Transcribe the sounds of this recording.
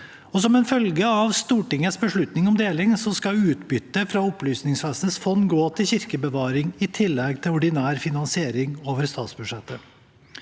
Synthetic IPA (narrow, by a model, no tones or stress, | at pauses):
ɔsɔmɛnfœlɡəɑʋst̪uːʈɪŋːəsbəʂɭʉt̪nɪŋɔmd̪eːlɪŋsɔskɑʉːt̪bʏt̪ːəfɾɑɔplyːsnɪŋsʋɛsnəsfɔnːɡoːt̪ʰɪlɕɪɾkəbəʋɑːɾɪŋɪt̪ʰɪlːɛɡ̚t̪ʰɪlʊɖɪnæːɾfɪnɑnsɪeːɾɪŋoːʋəɾst̪ɑːt̪sbʉʂɛt̪ːə